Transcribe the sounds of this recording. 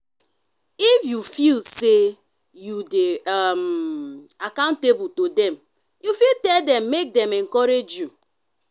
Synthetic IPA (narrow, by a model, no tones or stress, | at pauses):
ifjufilse | judeam | akãʊ̃ntebutodɛm | jufiltɛldɛmːek̚dɛmɛŋkɔɾed͡ʒju